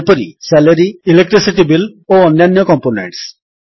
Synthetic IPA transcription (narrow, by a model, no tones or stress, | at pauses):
pɔɾisɛləɾiilek̚ʈɾisiʈibiloɔnjanːjɔkɔmponḛɳʈs